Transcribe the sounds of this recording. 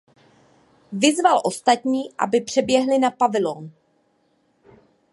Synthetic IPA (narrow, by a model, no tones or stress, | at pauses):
vɪzvalʔo̞st̪at̪ɲiːʔa̰bɪpr̝̥ɛbjɛɦlɪnapavɪloːn